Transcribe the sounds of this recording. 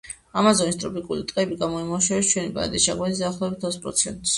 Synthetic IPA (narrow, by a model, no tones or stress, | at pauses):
amazɔnist̪ʼɾɔpikʼulit̪ʼqʼɛbiɡamɔimaʃɛɛst͡ʃʰwɛnipʼa̰d̪isʃaɡwɛt̪isd̪aːχlˠɔɛbit̪ʰɔspʼɾɔ̰t̪sʰɛ̰nt̪ʼs